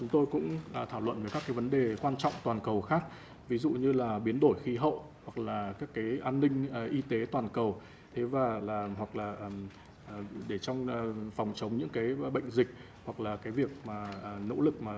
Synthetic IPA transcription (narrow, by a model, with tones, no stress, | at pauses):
t͡ɕʊ˨˦ŋ͡mt̪o˧jkʊ̰˧˥ŋ͡ma˨˩t̪ʰaː˧˩wlwə̰˧˨nvəː˧˩kaː˦˥kːaː˨˦jvə˨˦nɗe˨˩kwaː˧nt͡ɕɔ̰˧˨wŋ͡mt̪waː˨˩nkə˨˩wxaː˦˥k̚ | vi˨˦zṵ˧˨ɲɨ˧laː˨˩ɓi˨˦ənɗo˧˩jxi˨˦ɦə̰˧˨w | hwa˨˩k̚laː˨˩kaː˦˥kːaː˨˦jʔaː˧nːï˧ŋ̟ː˨˩ʔi˧t̪e˨˦t̪waː˨˩nkə˨˩w | t̪ʰe˨˦vaː˨˩laː˨˩hwa˨˩k̚laː˨˩ʔm | ʔɗe˧˩t͡ɕɔ˧wŋ͡mfɔ˨˩wŋ͡mt͡ɕə˨˦wŋ͡mɲɨ̰˧˥ŋkaː˨˦jɓə̰˧˨jŋ̟zï˨˩k̟̚ | hwa˨˩k̚laː˨˩kaː˨˦jvi˨˩ək̚maː˨˩˨no̰˧˥lɨ˨˩k̚maː˨˩